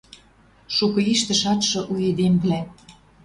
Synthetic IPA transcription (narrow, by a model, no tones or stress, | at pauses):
ʃukɤ̆iʃt̪ə̆ʃɑt̪ʃɤ̆ʔued̪emblæ